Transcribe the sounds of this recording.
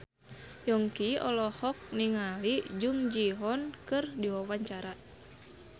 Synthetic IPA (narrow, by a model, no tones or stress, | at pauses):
jɔŋkiɔ̰lɔhɔk̚niŋalid͡ʒuŋd͡ʒiɦɔnkɨrdiwawaɲt͡ʃaɾa